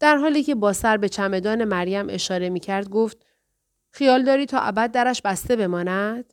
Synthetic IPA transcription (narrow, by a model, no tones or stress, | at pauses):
d̪̥æɾɦɒːliːcʰe̞bɒːsæɾbe̞t͡ʃʰæme̞d̪ɒːne̞mæɾjæmʔe̞ʃɒːɾe̞miːcʰæɾd̪̚ɡoft̪̚ | xijɒːld̪ɒːɾiːt̪ʰɒ̰ːʔæbæd̪̚ːæɾæʃbæst̪e̞be̞mɒːnæd̪̥